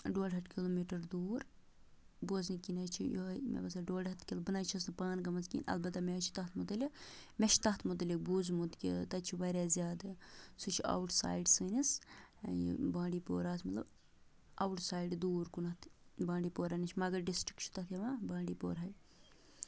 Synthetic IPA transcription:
ɖoːɖɦɐt̪kʲiloːmiːʈɐɾd̪uːɾ | boznikinɐt͡ʃʰijoɦmɛ̰bɐsɐɖoːɖɐt̪kʲilbɨnajt͡ʃʰɐs̬nɨpaːnɡɐmɐzkḭːnɐ̰lbɐt̪ːɐmet͡ʃʰi̥t̪ɐt̪ʰmud̪ɐlʲimʲɛt͡ʃʰt̪ɐht̪ʰmud̪ɐlʲik̚buːzmut̪kʲit̪ɐt͡ʃʰibaɾʲaːzʲjaːd̪ɨsut͡ʃʰiɐ̰wʈsa̰ːjɖsɨːnis | bãːɳɖiːpoːɾaːt̪ʰmɐt̪lɐb | ɐwuʈsaːjɖd̪uːɾkunɐt̪ʰbãːɳɖiːpoːɾɐnɐt͡ʃʰmɐɡɐɾɖisʈɾi̥kt͡ʃʰu̥t̪ɐt̪ʰjɐmaːbãːɳɖiːpo̰ːɾɦɐj

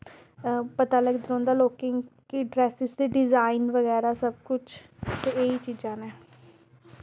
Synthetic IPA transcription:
pət̪aːləɡd̪ɾõːnd̪aːloːkɪŋɡkɪɖɾɛːsɪzd̪eːɖɪzaːinʋəɣɛːɾaːsəb̚kʊt͡ʃʰt̪eeːiːt͡ʃiːd͡ʒãːneː

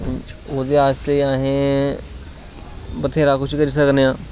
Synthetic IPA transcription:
oːd̪eːaːst̪eːaːɦẽː | bət̪ʰeːɾaːkʊt͡ʃʰkəɾiːs̬əkneãː

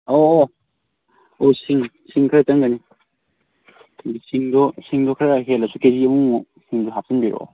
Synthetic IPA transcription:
oː | osiŋ | siŋkʰaɾɐtɐŋɡani | bisiŋdɔsiŋdɔkʰaɾɦelɐsukeziɐmuŋ | siŋdoɦap̚sinbiɾɔ̰

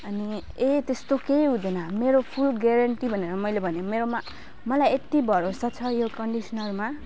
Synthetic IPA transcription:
ʌni | et̪est̪okejud̪enʌmeɾopʰulɡeɾʌɳʈibʱʌneɾʌmʌjlebʱʌnemeɾoma | mʌlajet̪ibʱʌɾosʰʌt͡sʰʌjokʌɳɖisʌnʌrma

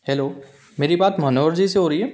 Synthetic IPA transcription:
hɛloː | meːɾibaːt̪mɐɦnoːʋəɾd͡ʒiseɦoːɾəiɦɛː

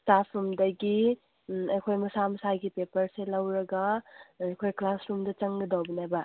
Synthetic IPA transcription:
stapʰumdɐɡi | ɐjkʰojmɐsamɐsaɡipepɐɾselɐwɾɐɡaːjkʰojklasɾumdɐt͡ʃɐŋɡɐdawbinajbɐ

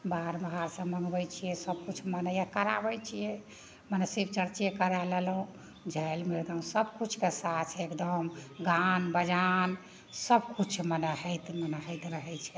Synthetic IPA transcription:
baɾməɦaɾsə̃məŋɡbɛjt͡ʃʰijɛsəb̚kut͡ʃʰmənəjakəɾa̰bəjt͡ʃʰijɛ | mənesibt͡ʃəɾt͡ʃekəɾəlɛlɦũ | d͡ʒʱəjlmeɾd̪əɦũsəbkut͡ʃʰkesat̪t͡ʃʰɛekd̪əmɡanbəd͡ʒan | səbkut͡ʃʰmənəɦɛt̪mənəɦət̪ɾəɦɛt͡ʃʰɛ

